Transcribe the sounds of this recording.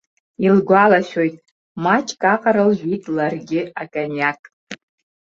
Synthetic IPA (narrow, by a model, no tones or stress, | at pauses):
ilɡʷalaʃʲᶣojtʼ | mat͡ʃʼkʼaqʼaɾɨlʒʷᶣitʼlarɡʲɪakʼanjakʼ